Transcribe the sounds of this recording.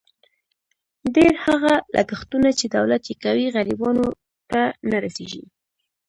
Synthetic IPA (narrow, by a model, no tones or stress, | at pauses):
ɖeɾhaɣalʔa̰ɡaxt̪unat͡ʃed̪awlat̪jekawiɣalibɑno | t̪anaɾaseʒḭ